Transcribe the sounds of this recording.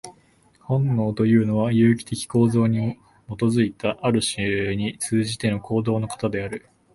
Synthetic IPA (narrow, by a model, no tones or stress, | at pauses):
hõ̞nːo̞ːt̪o̞jɯ̟ːno̞βajɯ̟ːkʲi̥t̪e̞kʲi̥ko̞ːzo̞ːɲ̟i | mo̞t̪o̞zɨit̪aʔaɾɯ̟ɕiɲ̟it͡sɨːʑit̪e̞no̞kʰo̞ːd̪o̞ːno̞kḁt̪ad̪e̞aɾɯ̟